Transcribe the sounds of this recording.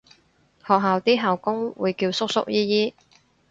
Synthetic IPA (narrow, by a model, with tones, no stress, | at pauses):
hɔː˨k̚ɦaː˨wt̪iː˥ɦaː˨˩wkʊ˥ŋwṵː˨˧jkiː˧wsʊ˥k̚sʊ̰˥k̚jiː˥jiː˥